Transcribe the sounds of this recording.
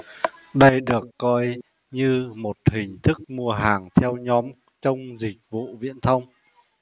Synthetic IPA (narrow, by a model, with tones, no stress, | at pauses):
ɗə˧jɗɨ˨˩əkːɔ˧j | ɲɨ˧mo˨˩t̚hï˨˩ŋ̟t̪ʰɨ˦˥k̚mu˧əɦaː˨˩ŋt̪ʰɛ˧wɲɔ˨˦m | t͡ɕə˧wŋ͡mzï˨˩k̚vṵ˧˨vḭ˧˨ənt̪ʰə˧wŋ͡m